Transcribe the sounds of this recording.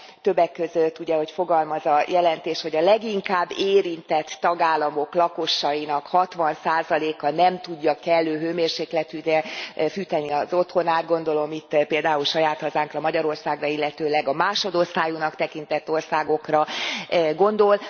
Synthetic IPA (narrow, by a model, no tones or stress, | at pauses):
t̪ø̞bːɛkːøzøt̪ːuɟɛho̞cfo̞ɡɒlmɒzɒjɛlɛnt̪eːʃho̞ɟɒlɛɡiŋkaːbːeːɾint̪ɛt̪ːɒɡaːlːɒmo̞klɒko̞ʃːɒjinɒkhɒt̪ʋɒnsaːzɒleːkɒnɛmt̪uɟːɒkɛlːøːɦøːmeːrʃeːklɛt̪yːɛfyːt̪ɛniɒzo̞t̪ho̞naːd̪̚ɡo̞nd̪o̞lo̞mit̪ːpeːld̪aːulʃɒjaːt̪hɒzaːŋkrɒmɒɟɒɾo̞rsaːɡrɒilːɛt̪øːlɛɡɒmaːʃo̞d̪o̞st̪aːjunɒkt̪ɛkint̪ɛt̪ːo̞rsaːɡo̞krɒ | ɡo̞nd̪o̞l